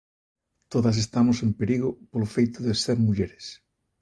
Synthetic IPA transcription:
t̪oðɐs̬est̪amʊsẽmpeɾiɣopolofejt̪ʊðeseɾmuʎeɾes

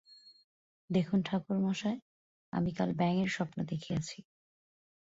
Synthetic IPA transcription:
d̪ekʰunʈʰakuɾmaʃae | a̰mika̰lbɛŋeɾʃɔpnod̪ekʰiat͡ɕʰi

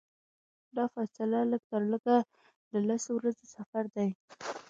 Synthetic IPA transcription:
d̪ɑfasɪlaləɡ̚t̪əɾləɡa | ləlasowɾazesafaɾd̪aj

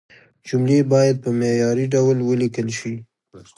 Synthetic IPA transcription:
d͡ʒʊmlebɑjad̪̚pəmejɑɾiɖawlwəlikəlʃi

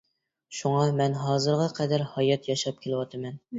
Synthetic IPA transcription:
ʃuŋɑmɛnɦɑːzɨɾʁɑqʰɛd̪æɾhɑjɑt̪jɑʃɑp̚kʲʰelɪwɑt̪ʰɨmɛn

